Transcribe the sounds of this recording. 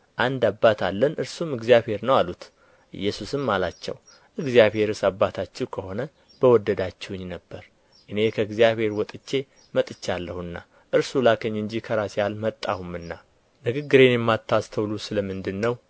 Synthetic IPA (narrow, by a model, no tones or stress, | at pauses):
ʔand̪abːat̪ʰalːənɨɾsumɨɡzijabhe̞ɾnəwalut̪ | ʔɨ̰jːɛsusɨmːalat͡ʃːɛ̰w | ʔɨɡzijaβhe̞ɾɨsabːat̪ʰat͡ʃːɛwkʰəho̞nə | b̥əwɔd̪ːəd̪at͡ʃːɛwɲːnəbːəɾ | ʔɨne̞kʰəɨɡzijaβhe̞ɾwɔt̪ʼɨt͡ʃːe̞ | mət̪ʼɨt͡ʃːalːəhuɨnːa̰ | ʔɨɾsulakʰəɲːɨɲd͡ʒikʰəɾasjalmət̪ʼːahumɨnːa | nɨɡɨɡːɨɾe̞njɛmːat̪ʰːast̪ʰəwlusɨləmɨnd̪ɨnːəw